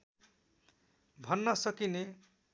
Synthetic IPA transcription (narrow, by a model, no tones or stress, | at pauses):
bʱʌnːʌsʌkine